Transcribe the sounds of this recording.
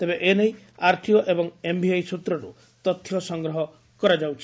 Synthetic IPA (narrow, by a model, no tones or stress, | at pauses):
t̪ebeʔeneĩ | aɾt̪ʰiɔʔebɔŋembiajsut̪ɾɔɾṵ | t̪ɔt̪ʰːjɔsɔŋɡɾɔɦɔ | kɔɾad͡ʒawt͡ʃʰi